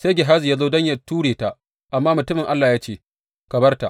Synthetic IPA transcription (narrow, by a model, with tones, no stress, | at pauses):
se˦jɡʲɪ˨ɦaː˦zjaː˦zoː˦dɐ˦ɲjɐ˨tuː˦ɽeː˨ta˨ | ʔa˨mːaː˦mʊ˨tʊ˦mɪ˨ŋʔa˦lːaː˨jaː˦t͡ʃeː˦ | ka˨bɐ˦rta̰˨ʔ